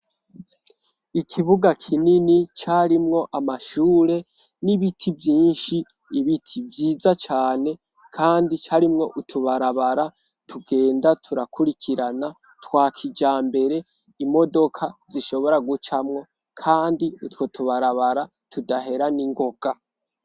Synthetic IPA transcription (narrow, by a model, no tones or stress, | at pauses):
ikʰiβuɡakʰininit͡ʃaɾimŋo̞ʔamaʃuːɾe̞ | niβitʰivjiːnʃiː | βitʰivjiːzat͡ʃaːne̞ | kʰaːndit͡ʃaɾimŋo̞ʔutʰuβaɾaβaɾa | tʰuɡe̞ːndatʰuɾakʰuɾikʰiɾana | twaːkʰid͡ʒaːmbe̞ɾe̞ | imo̞do̞kʰaziʃo̞βo̞ɾaɡut͡ʃamŋo̞ | kʰaːndiutwotʰuβaɾaβaɾa | tʰudahe̞ɾaniŋɡo̞ɡ̥a